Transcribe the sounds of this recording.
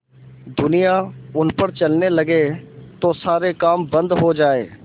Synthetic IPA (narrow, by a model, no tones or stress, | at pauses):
d̪ʊnijaʊnpəɾt͡ʃəlneləɡeːt̪oːsaːɾekaːmbə̃nd̪ɦoːd͡ʒaːḛː